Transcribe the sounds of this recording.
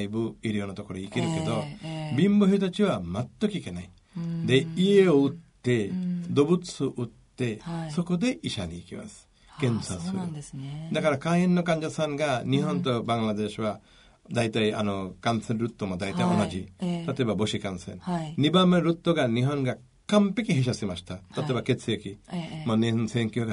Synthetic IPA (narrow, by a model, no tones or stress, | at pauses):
jbuiɾiɔnɔt̪ɔkɔɾeikiɾukit̪ɔbimbɔɦit̪̬ɔt͡ʃʰiwamat̪ːɔkikenaj | d̪eieɔut̪ːed̪obut̪suʔut̪ːesɔkud̪eʔiʃa̰nḭkiba̰s | kensasuɾṵd̪akʰaɾakajenːɔkand͡ʒasanɡaniɦɔnt̪ɔbaŋlad̪eʃba | d̪ajt̪aja̰nɔkansenɾut̪ːɔmad̪ajt̪amɔnad͡ʒit̪at̪ebaboʃikansḛnːibameɾut̪ːɔɡaniɦɔnɡa | kampekiɦiʃ̬asimast̪ʰat̪at̪ebakesʰiekimɔnensenkiɡa